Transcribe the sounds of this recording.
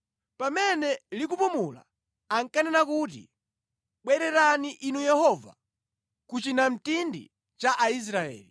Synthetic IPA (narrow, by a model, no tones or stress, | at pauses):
pamɛnɛlik̬upumula̰ | aŋkanɛnakuːt̬ḭ | ɓwɛɾɛɾaniʔinujɛhɔva̰ | kut͡ʃinam̩tindḭ | t͡ʃaʔais̬ɾaɛ̰ːli